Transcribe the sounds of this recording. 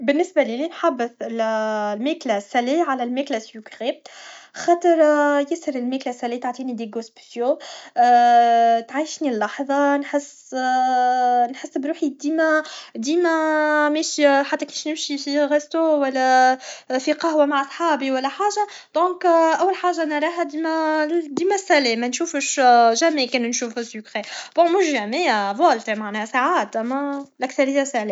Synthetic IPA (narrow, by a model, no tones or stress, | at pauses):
bɪnːɪsbælilinħabːɪθɪllmæːklæsæleʕalælmɛklæsukʁexɑːt̪ˤəɾˤjɪshəɾɪlmɛːklæsælet̪aʕt̪ˤiːnid̪eɡospsjo | t̪ʕajʃnilːɑħðˤɑnħɪsː | nħɪsːbɾuːħid̪iːmæd̪iːmæmɛʃiħat̪ːækiʃnɪmʃifiɣest̪owælːæ | fiqɑɦwæmaʕʔɑsˤħɑːbiwælːæħaːʒa | d̪̥ɔ̃ːkʔæwːælħaːʒanɾˤɑɦæd̪imæd̪iːmæsːælɛmænʃuːfəʃʒæmekɛːnnʃuːfɪsəkʁeb̥ɔ̃mʊʃʒæmæjavwælt̪emaʕnɛːhæsaʕaːt̪ʔæmːælʔækθɑɾˤɪjːasaʕlɛ